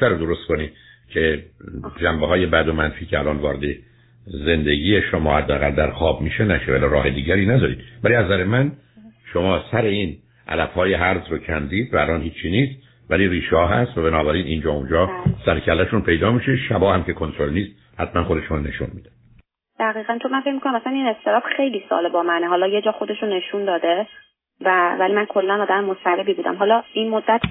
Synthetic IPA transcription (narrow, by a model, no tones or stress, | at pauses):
æɾod̪oɾost̪̚koniːd̪̥ | cʰe̞ | d͡ʒæmbeɦɒːje̞bæd̪o̞mænfiːcʰeælʔɒːnvɒːɾe̞d̪e | ze̞nd̪eɟiːjeʃomɒːhæd̪ːeæɣæld̪æɾxɒːb̚miːʃenæʃevæliɾɒːhed̪iːɟæɾiːnæd̪ɒːɾiːd̪̥væliæzæɾemæn | ʃomɒːsæɾe̞iːn | ʔæ̰læfhɒːje̞ɦæɾzɾocʰænd̪iːd̪væːlɒːnhiːt͡ʃʰːiːniːst̪ | væliɾiːʃɒːɦæst̪væbenɒːbæɾiːnʔḭnd͡ʒɒːund͡ʒɒːsæɾcʰælːæʃunpʰe̞jd̪ɒːmiːʃeʃæbɒːhæmce̞kʰont̪ʰɾolniːst̪̚ | hæt̪mænxod̪eʃne̞̰ʃṵnmḭːd̪æ̥ | d̪̥æɣiːɣænt͡ʃʰomænfec̚ʲmikonaæmæsænine̞st̪ʰeɾɒːb̥xe̞jliːsɒ̰lebɒːmæneɦɒːlɒːje̞d͡ʒɒːxod̪e̞ʃone̞ʃund̪ɒːd̪e | vævælimænkʰolːænɒːd̪æmemosæɾebiːbuːd̪æ̰mɦɒːlɒːinmod̪ːæt̪ʰ